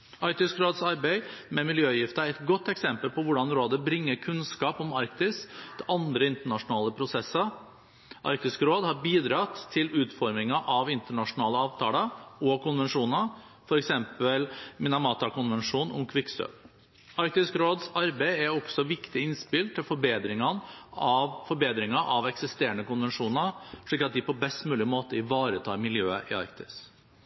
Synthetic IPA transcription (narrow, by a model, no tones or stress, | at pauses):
ɑɾk̚t̪ɪskɾoːd̪sɑɾbæɪmɛmɪljøːjɪft̪ɑɛt̪ɡɔt̪ːɛksɛmpəlpʰɔʋʊɖɑnɾoːd̪əbɾɪŋːəɾkʰʉnskɑːpɔmɑɾkt̪ɪst̪ʔɑnd̪ɾəɪnt̪əɳɑʂʊnɑːləpʰɾʊsɛsːəɾ | ʔɑ̰ɾk̚t̪ɪskɾoːd̪hɑɾbiːd̪ɾɑːt̪ʰːɪlʉːt̪fɔɾmɪŋɑʔɑʋɪnt̪əɳɑʂʊnɑːləɑːʋt̪ʰɑ̰ːləɔkʰʊnʋɛnʂuːnə | fɔɾɛksɛmpəlmɪnɑmɑːt̪ɑkʊnʋɛnʂuːnʊ̰mkʰʋɪksø̰ | ɑɾk̚t̪ɪskɾoːd̪sɑɾbæɪæɾɔksɔʋɪkt̪ɪɪnspɪlt̪ʰːɪlfɔɾbeːd̪ɾɪŋɑnɑʋfɔɾbeːd̪ɾɪŋɑʔɑʋɛksɪst̪eːɾəɳəkʊnʋɛnʂuːnɑɾʂɭiːkːɑt̪̚d̪ɪpʰɔbɛst̪mʉːlɪmoːt̪əɪʋɑːɾət̪ʰɑːɾmɪljøːəʔɪɑ̰ɾkt̪ɪ̥s